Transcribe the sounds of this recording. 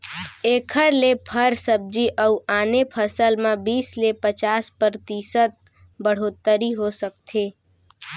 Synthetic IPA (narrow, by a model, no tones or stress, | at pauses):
eːkʰəɾlepʰəɾsəb̚d͡ʒiʔəuaːnepʰəsəlmãbiːslepət͡ʃaːspɾəɾt̪iːsət̪̚ | bəɽ̤oːt̪ːəɾiɦosək̚t̪ʰeː